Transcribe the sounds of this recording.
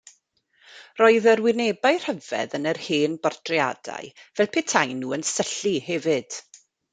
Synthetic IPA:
rɔɨðəɾwɪnebaɨr̥həvɛ̰ðənərheːnbɔrdʰrja̰da̰ɨvɛlˠpʰɛtʰajnːuːənsəɬihɛvɨd̥

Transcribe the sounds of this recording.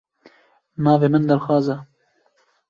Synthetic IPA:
nɑːveːmɨnd̪æɾxwɑːzɛ

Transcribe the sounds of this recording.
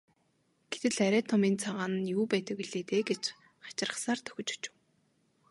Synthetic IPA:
ɡ̥et̪ɘ̆ɮæɾʲæːt̪ʰɔmiːnt͡sʰaʁaːn̆njuːpæːt̪ə̆kwiɮeːt̪eːɡet͡ɕ | χḁt͡ɕɪ̆rə̆χsaːrt̪ʰœ̥xʲɵ̆t͡ɕu̥t͡ɕɪ̆w

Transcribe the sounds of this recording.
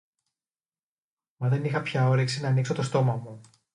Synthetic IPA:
mɐðe̞nixɐpçɐo̞ɾeksinɐːnikso̞t̪o̞st̪o̞mɐmu

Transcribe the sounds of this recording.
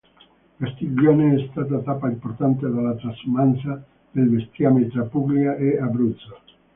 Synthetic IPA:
kast̪id͡ʒoneɛst̪at̪at̪apaimpoɾt̪ant̪eðalat̪ɾasumansa | d̪elbest̪iamet̪apubliaʔeabɾut̪sa

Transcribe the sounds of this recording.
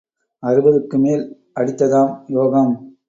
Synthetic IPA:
ɐrɯbɐðɯkːɯmeːl | ʔɐɽɪt̪ːɐðaːmjoːɣɐm

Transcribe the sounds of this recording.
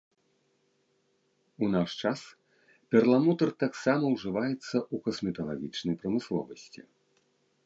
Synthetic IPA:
unaʂt͡ʂas | pʲɛrlˠamɔt̪ɐrt̪aksamɐwʐɨvajɛt̪sːɐukɔsmʲɛt̪ɐlˠa̰ɣʲit͡ʂnɐjpɾɐmɨslˠɔ̰vɐsʲt͡sʲi

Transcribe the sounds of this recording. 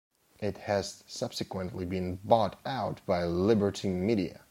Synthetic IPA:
ʔɪt̚hɨz̥sʌb̥sɨkwə̃nʔlibɨ̃nbɔɾaʊt̚b̥aɪlɪbə˞ɾimiɾiɨ̰

